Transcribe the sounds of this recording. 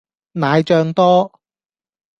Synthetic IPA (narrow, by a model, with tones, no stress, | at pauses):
naː˨˧jt͡ʃœː˧ŋt̪ɔː˥